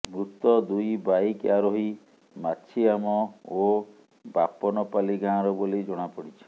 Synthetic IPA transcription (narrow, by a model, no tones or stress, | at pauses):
mɾut̪ɔd̪ujbajkjaɾoɦi | mat͡ʃʰiamɔo | bapɔnɔpaliɡãːɾɔbolid͡ʒɔɽ̃apɔɽit͡ʃʰi̥